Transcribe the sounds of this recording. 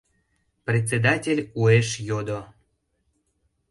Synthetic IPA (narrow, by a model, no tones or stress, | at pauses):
prʲet͡sʲed̪atʲelʲueʃjod̪o